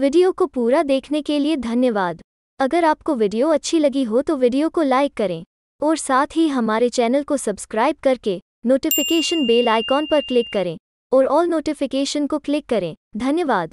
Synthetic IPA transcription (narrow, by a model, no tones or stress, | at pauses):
ʋɪɖijokopuːɾad̪eːkʰnekelied̪ʱɐnjəʋaːd̪ | ɐɡəɾaːp̚koʋɪɖijoɐtːʃʰilɐɡiɦot̪oʋɪɖijokolaːɪkːɐɾẽː | ɔːɾsaːt̪ʰɦiɦɐmaːɾet͡ʃɛːnəlkosɐbskɾaːɪb̚kɐɾke | noːʈɪfɪkeːʃənbeːlaːɪkɔːnpɐɾklɪkːɐɾẽː | ɔːɾɔːlnoːʈɪfɪkeːʃənkoklɪkːɐɾẽːd̪ʱɐnjəʋaːd̪